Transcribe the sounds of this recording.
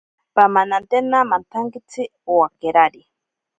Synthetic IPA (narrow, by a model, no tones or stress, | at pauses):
pamanant̪enamant̪ʰaŋkit͡sʰiowakeɾaɾi